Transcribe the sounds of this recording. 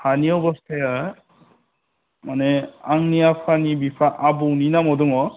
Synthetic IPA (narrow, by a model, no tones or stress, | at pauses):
haniɔwbɔste | maneaŋniapʰanibipʰaʔabɔwninamɔdɔŋɔ